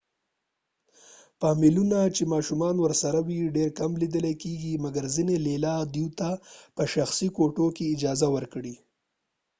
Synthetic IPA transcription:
pɑmɪlunat͡ʃemɑʃumɑnwəɾsaɾawiɖeɾkamlid̪əlekeɡimaɡaɾzinelelɑd̪juwt̪apəʃaxsikoʈokeɪd͡ʒɑzawəɾkɽi

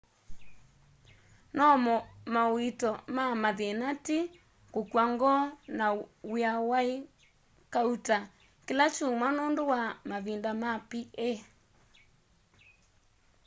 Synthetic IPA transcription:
nɔmɔmawitɔmamaðenati | kokwaŋɡɔnawiawae | kauta | kelat͡ʃumwanondowamaðindamapie

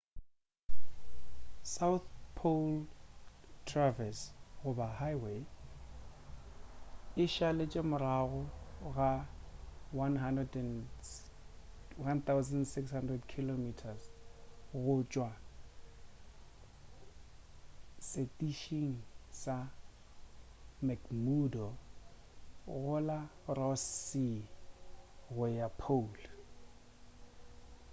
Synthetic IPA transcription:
saʊθpʰol | tʰravɛsɣʊbahajwe | ɪʃalet͡ʃʼemʊɾaɣʊɣa | wanɦandrɛdɛn | want̪ʰawzandsɪkshandrɛdkʰilomitʰas | ɣʊt͡ʃʼwa | setʼiʃiŋ̩sa | makmudɔ | ɣʊlarɔsːi | ɣʊjapʰol

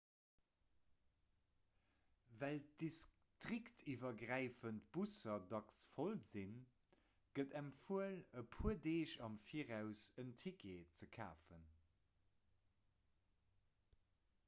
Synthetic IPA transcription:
vældis | tʁiktʰivɐɡʁæɪfənt̚b̥usɐdɑksfolzin | ɡ̥ədæmfuələpʰuədeːʃɑmfiːəʁæʊsəntʰikʰet͡səkʰa̰ːfən

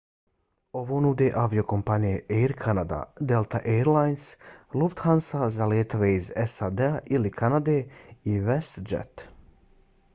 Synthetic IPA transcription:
o̞ʋo̞ːnud̪eʔaʋio̞ko̞mpanijeʔejɾkʰanad̪a̰d̪elˠt̪aʔeɾlajnsluft̪hansazaljeːt̪o̞ʋe̞izesad̪eaʔilikʰanad̪eːiʋest̪d͡ʒḛt̪

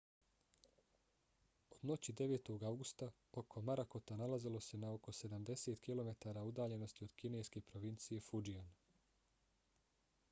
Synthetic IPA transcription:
o̞d̪no̞t͡ɕid̪e̞ʋe̞ːt̪o̞ɡawɡust̪a | okʰo̞maɾako̞t̪analazilˠo̞se̞nao̞ko̞se̞d̪amd̪e̞se̞t̪kilo̞me̞t̪aːɾaud̪aːʎe̞no̞st̪io̞d̪̥kine̞jske̞pɾoʋint̪sije̞fud͡ʒian

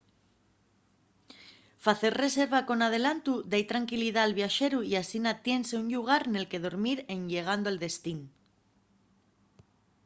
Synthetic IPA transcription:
faθe̞rre̞se̞ɾβ̞ako̞nað̞e̞lant̪ud̪ajt̪ɾaŋkiliðaːlβjaʃe̞ɾuiasinat̪je̞nse̞uɲʎuɣ̞aɾne̞lke̞ð̞o̞ɾmiɾe̞nʎe̞ɣ̞and̪oeld̪e̞st̪in

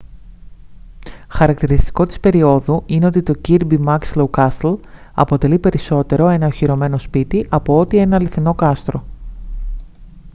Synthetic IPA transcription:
xɐɾɐk̚t̪iɾist̪i̥ko̞t̪i̥spe̞ɾio̞ðuine̞o̞t̪it̪o̞ciɾbimɐkslowkɐsl | ɐ̰po̞t̪e̞lipe̞ɾiso̞t̪e̞ɾo̞enɐoçiɾo̞me̞no̞spit̪iʔɐpo̞o̞t̪ie̞nɐliθino̞kɐst̪ɾo̞

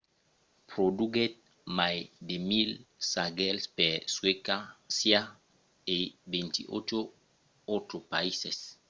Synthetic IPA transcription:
pɾod̪uɡet̪̚ | majd̪emilsaɡelspeswekasja | ebẽnt̪ḭʔot͡ʃo | ot̪ɾopaises

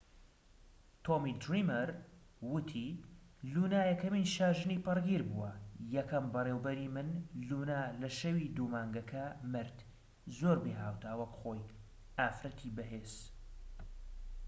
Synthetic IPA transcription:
t̪ʰoːmid̪ɾimɐɾwʊt̪ʰilunaːjɛkɐmiːnʃaːʒɨniːpɨrɡiːɾbuwɐjɛkɐmbɐreːwbɐɾiːmɨnlunaːlɐʃɐwid̪uːmaːŋɡɐkʰɐmɨɾt̪ | zoːɾbeːɦaːwt̪ʰaːwɐkχoːj | ʔaːfɾɐt̪ʰibɐɦeːz̥

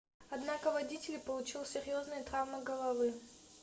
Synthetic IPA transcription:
ɐd̪nakəvɐdʲitʲɪlʲpəlˠʊt͡ɕilˠsʲɪɾʲjo̞znɨjət̪ɾavməɡəlˠɐvɨ

